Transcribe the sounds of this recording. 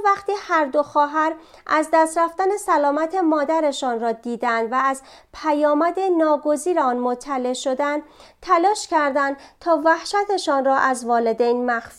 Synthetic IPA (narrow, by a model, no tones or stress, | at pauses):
væχt̪iːhæɾd̪o̞xɒːɦæɾ | ʔæzd̪æst̪ɾæft̪æne̞sælɒːmæt̪ʰe̞mɒːd̪æɾe̞ʃɒːnrɒːd̪iːd̪ænd̪væːz | pʰæjɒːmæd̪e̞nɒːɡo̞ziːɾeɒːnmot̪ʰːæle̞ʃo̞d̪ænt̪ʰælɒːʃcʰæɾd̪ænd̪t̪ʰɒːvæhʃæt̪ʰe̞ʃɒːnrɒːʔæzvɒːle̞d̪ejnmæxs